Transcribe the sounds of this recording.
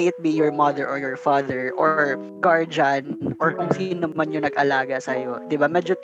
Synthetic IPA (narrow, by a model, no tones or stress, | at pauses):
ʔɪt̪̚bijɔɹmɐd̪ɛɹʔɔɹjɔɹfaːd̪ɛɹʔɔɹ | ɡaɹd͡ʒɐnʔɔɹkoŋsinomɐnjonɐɡʔɐlaːɡɐsɐjod̪ɪbamɛːd͡ʒo